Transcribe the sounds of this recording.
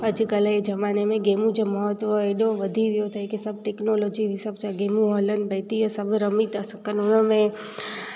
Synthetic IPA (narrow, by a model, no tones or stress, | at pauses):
əd͡ʒkəled͡ʒəmanemẽɡemũd͡ʒeməɦət̪ʋəeɗõʋəd̪ʱiʋjot̪ʰəjkesəb̚ʱʈeknolod͡ʒiisəb̚t͡ʃaɡemũɦɔlənbɛt̪iəsəbʱɾəmit̪asukənonəmẽ